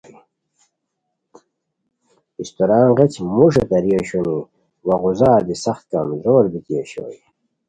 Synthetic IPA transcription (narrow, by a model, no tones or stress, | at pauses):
ist̪oɾaːŋʁet͡ɕʰmuʂet̪ɐɾieɕuni | wɐʁuzaːɾd̪isɐχt̪̚kɐmzoːɾb̪it̪ieɕo̰ːj